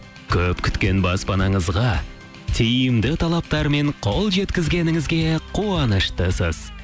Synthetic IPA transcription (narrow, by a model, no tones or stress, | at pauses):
kʲʰɵpkʲʰʏ̥t̪kʲe̞nbɑspɑnɑɴəzʁɑ | t̪ʰijɪmd̪ɪt̪ʰɑlˠɑp̚t̪ɑɾme̞ɴqʰo̞lˠʒe̞t̪kʲɪzɡʲe̞nɪŋɪzɡʲe̞qʰuɑnəʃt̪əsəz̥